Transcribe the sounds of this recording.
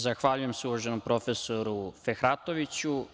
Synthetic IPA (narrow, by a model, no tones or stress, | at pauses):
zaxʋaʎuje̞msuloʒenompɾo̞fesoɾufexɾat̪oʋit͡ɕu